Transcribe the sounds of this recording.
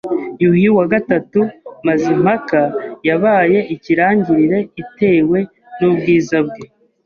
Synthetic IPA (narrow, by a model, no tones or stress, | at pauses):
juhiwaɡatatumazim̥hakajaβaːje̞ʔiciɾaːɲɟiɾiɾe̞ite̞ːwe̞ | nubɡiːzab̚ɡe